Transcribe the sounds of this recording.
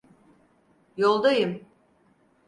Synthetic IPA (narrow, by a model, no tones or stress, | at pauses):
jolˠd̪ajɯm